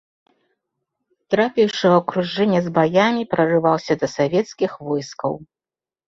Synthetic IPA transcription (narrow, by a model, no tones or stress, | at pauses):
t̪ɾapʲɛwʂɨɐkɾuʐɛnʲːɛzbajamʲipɾɐrɨvawsʲɐd̪ɐsavʲɛt̪skʲixvɔjskɐ̰w